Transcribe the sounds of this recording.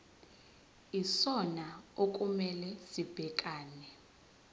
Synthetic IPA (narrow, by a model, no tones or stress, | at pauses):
isɔnaok̬ʼumɛlɛsib̥ʱɛkʼaːnɛ